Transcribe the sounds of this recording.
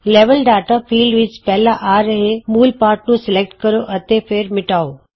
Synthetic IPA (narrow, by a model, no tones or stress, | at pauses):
leːʋəlɖaːʈafʰiːlɖʋɪt͡ʃpɛɦlaʔaːɾəɦemuːlpaːɾʈ̚nũsɪlek̚ʈkəɾoʔət̪epʰeːɾmɪʈaːo